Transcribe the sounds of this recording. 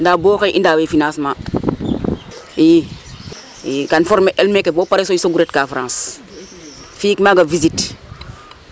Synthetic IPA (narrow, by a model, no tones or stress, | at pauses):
ndaboːkeʔindawefinãːsmãː | ji | jkanfɔɾmeʔɛlmekebopaɾesoisoɡuɾɛtkafɾãːs | fikmaɡavizit